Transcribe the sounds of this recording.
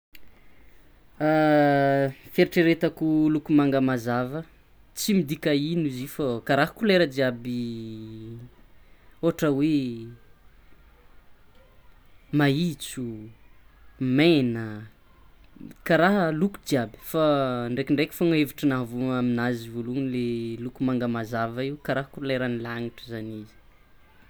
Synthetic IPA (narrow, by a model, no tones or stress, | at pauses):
a | feɾiʈ͡ʂeɾet̪akulukumaŋɡəmazavə | t͡simid̪ikainuzifakaɾaɦəkuleɾəd͡ʒiabi | oʈ͡ʂəwe | mait͡su | menə | kaɾaɦəluku̥d͡ʒiabi̥faɳɖ͡ʐekʲiɳɖ͡ʐekʲi̥foŋaeviʈ͡ʂənaɦavuŋaminazivoluŋilelukumaŋɡəmazavəiwukaɾaɦəkuleɾanilaŋiʈ͡ʂəzanizi̥